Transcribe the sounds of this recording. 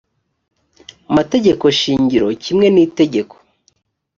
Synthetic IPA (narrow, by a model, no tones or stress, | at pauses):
amate̞ɟe̞ko̞ʃiːɲɟiɾo̞cʰimŋe̞niːte̞ɟe̞ko̥